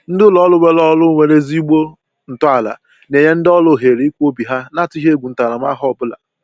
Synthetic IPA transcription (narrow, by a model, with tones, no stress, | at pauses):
n̩˦dʊ˦lɔ˦lʊ˦we˦lɔ˦lʊ˦ŋʷe˨ɾe˦zi˦ɡ͡bo˦ | n̩˨tʊ˦a˨la̰˨ | ne˨ɲe˦n̩˦dɔ˦lʊ˦˨ɦe˨ɾi˨˦i˦kʷu˦o˦bi˨ɦa˦na˦tʊ˦ɦe˦ɡʷu˨n̩˦ta˨ɾa˨m˦a˦ɦɔ˦˨bʊ˦la̰˨